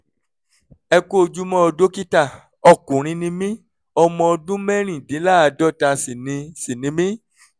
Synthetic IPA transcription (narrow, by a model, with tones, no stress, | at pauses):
ɛ˧ko˦o˧˨d͡ʒu˦mɔ̃˦ɔ˧do˦ki˦ta˦˨ | ɔ˧˨kũ˨ɾ̃ĩ˧nĩ˨˦mĩ˦ | ɔ˧mɔ̃˧ɔ˧dũ˦mɛ˦ɾ̃ĩ˦˨dĩ˨˦la˦a˧dɔ˦ta˧si˨nĩ˧si˨nĩ˨˦mĩ˦